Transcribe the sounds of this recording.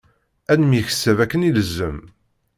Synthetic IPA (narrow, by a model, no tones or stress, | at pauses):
ænəmjiçə̥sːævækːəniləzːəm